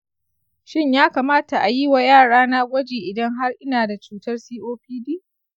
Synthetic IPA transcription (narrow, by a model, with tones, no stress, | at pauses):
ʃɪ˦ɲjaː˦kaː˨maː˦ta˨ʔa˨ji˦wa˨jaː˦˨ɽaː˦naː˦ɡʷɐ˦d͡ʒeː˨ʔɪ˨dɐ˦ŋɦa˦rʔɪ˦naː˨da˨t͡ʃuː˦tɐ˦rsiː˦ʔoː˦ɸiː˦diː˦